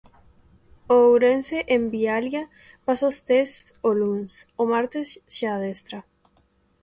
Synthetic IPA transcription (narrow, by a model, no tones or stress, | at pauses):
owɾenseʔembialja | pasost̪estolunsomaɾt̪esʃaðest̪ɾa